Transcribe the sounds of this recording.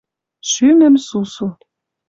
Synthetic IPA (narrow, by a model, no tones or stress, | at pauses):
ʃymɘ̆msusu